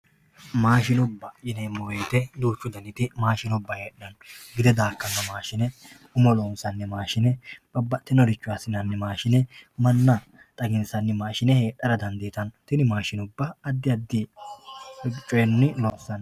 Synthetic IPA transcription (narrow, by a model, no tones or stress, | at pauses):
maːʃɪnʊbːɐjɪnɛmːɔwejt̪ɛd̪uːt͡ʃːʊd̪ɐnɪt̪ɪmaːʃɪnʊbːɐheːɗɐnɡɪd̪ɛd̪aːkːɐŋːɐmaːʃɪnɛ | ʊmɔloːnsɐnːɪmaːʃɪnɛbɐbːɐt̪ːɪnɔɾɪt͡ʃːʊwasɪnɐnːɪmaːʃɪnɛmɐnːɐ | t̪ʼɐɡɪnsɐnːɪmaːʃɪnɛheːᶑːɐɾɐd̪ɐnd̪iːt̪ɐnt̪ɪnɪmaːʃɪnʊbːɐːd̪ːɪɐd̪ːɪ | ʊt͡ʃʼːʊɛnːɪloːnsɐn